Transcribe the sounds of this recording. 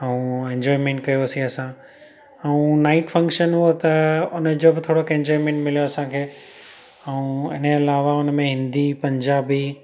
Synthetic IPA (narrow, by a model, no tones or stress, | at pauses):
ɛũẽɲd͡ʑɔːimẽɳʈkɐjoəsĩɐsã | ɛũnaːɪʈfʰɐ̃ŋkʃənɦuot̪ɐʊnəd͡ʑobɪt̪ʰoːɽokẽɲd͡ʑɔːimẽːɳʈmɪljoɐsãkʰeː | ɛũɪnəɪlaːʋaʊnmẽɦɪ̃nd̪ipɐ̃ɲd͡ʑaːbi